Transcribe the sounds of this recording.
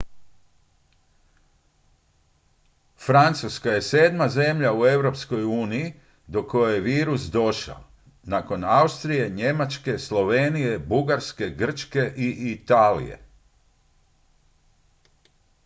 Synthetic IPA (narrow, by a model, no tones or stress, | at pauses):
fɾant̪suskaje̞se̞ːd̪maze̞mʎaue̞ʋɾo̞psko̞juːniji | d̪okːo̞jejeʋiːɾusd̪o̞ʃa̰o | nako̞naust̪ɾije̞ɲe̞mat͡ʃke̞slˠo̞ʋenije̞buɡaɾske̞ɡr̩t͡ʃke̞ʔiʔit̪aːlḭje̞̰